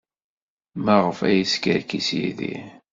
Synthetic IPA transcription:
mæʁəfæ̰jiskəɾkisjḭðḭ

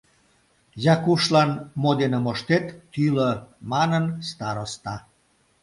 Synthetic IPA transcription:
jɑkuʃlɑnmod̪enəmoʃt̪et̪ːyləmɑnənst̪ɑɾost̪ɑ

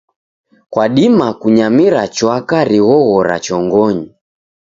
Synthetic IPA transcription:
kwaɗimakuɲamiɾat͡ʃwakaɾiɣɔɣɔɾa̰t͡ʃɔŋɡɔɲi

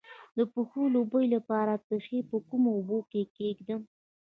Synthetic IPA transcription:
d̪əpuxolobəjlapɑɾat̪əxepəkumoːbokekeɡd̪ə

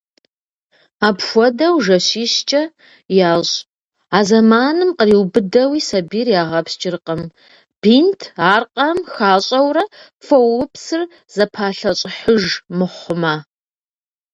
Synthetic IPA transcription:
aːpxʷɔdɐwʒɐɕiːɕt͡ʃʼɐ | jaːɕʼ | aːzɐmaːnɨmqəriwbɨdɐwiːsɐbiːrjaːʁɐpst͡ʃʼɪrqɐm | b̥intʰaːrqʼɐmxaːɕʼɐwrɐ | fɐwʊpsɨr | z̥ɐpʰaːɬɐɕʼɪħəʒmɨχʷʊmaː

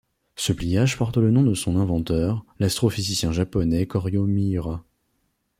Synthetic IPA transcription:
səplijaʒpɔʁt̪lənɔ̃d̪əsɔ̃nɛ̃vɑ̃t̪œʁlast̪χɔfizisjɛ̃ʒapɔnɛkɔʁjomiʁa

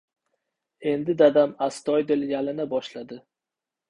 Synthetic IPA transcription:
e̞nd̪ɪd̪ad̪amast̪ɒjd̪ɪljalɪnabɒʃlad̪ɪ

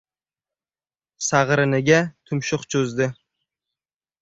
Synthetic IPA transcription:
saʁɾɪnɪɡʲat̪ʰʊmʃʊqt͡ʃʰɵzd̪ɪ

